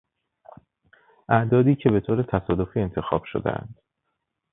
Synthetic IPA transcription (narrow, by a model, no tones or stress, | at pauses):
ʔæʔd̪ɒːd̪iːcʰe̞be̞t̪ʰoːɾe̞t̪ʰæsɒːd̪o̞fiːe̞nt̪ʰe̞xɒ̰ːb̥ʃo̰d̪ḛʔæ̰nd̪̥